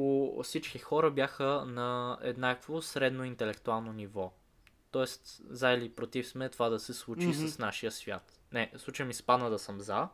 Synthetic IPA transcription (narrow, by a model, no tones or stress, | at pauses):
ofsit͡ʃkixɔɾəbʲjaxənɐɛ̰d̪nakvosɾɛd̪noint̪ɛlɛkt̪ualˠnonivɔ | t̪ɔɛst̪zailipɾot̪ifsmɛt̪ovad̪ɐsɛslˠut͡ʃisəsnaʃijəsvʲja̰t̪ | nɛslˠut͡ʃəjmispanəd̪ɐsəmza